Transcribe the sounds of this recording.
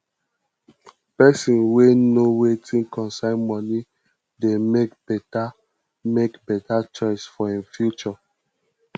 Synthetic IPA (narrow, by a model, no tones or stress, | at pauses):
pɛsĩnwenowetʰĩnkɔ̃nsãɪnmɔ̃ni | demekbɛta | mekbɛtat͡ʃɔɪsfɔĩnfjut͡ʃɔ